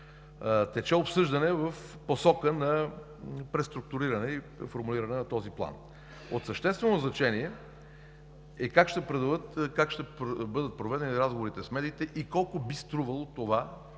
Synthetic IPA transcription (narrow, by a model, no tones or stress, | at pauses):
t̪ɛt͡ʃɛopsɤʒd̪ɐnɛvəf | posɔkənɐ | pɾɛst̪ɾʊk̚t̪ʊɾiɾɐnɛipɾɛfoɾmuliɾɐnɛnɐt̪ɔziplˠa̰n | ot̪səʃt̪ɛst̪vɛnoznɐt͡ʃɛniɛ | ɛkakʃt̪ɛpɾɛd̪əvət̪kakʃt̪ɛpbɤd̪ət̪̚pɾovɛd̪ɛniɾazɡovoɾit̪ɛsmɛd̪iːt̪ɛʔikɔlˠkʊbist̪ɾuvəlˠot̪ova